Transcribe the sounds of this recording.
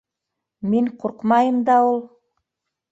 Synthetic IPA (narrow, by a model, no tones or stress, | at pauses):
meɴqʰoɾqmɑjəmd̪ɑwulˠ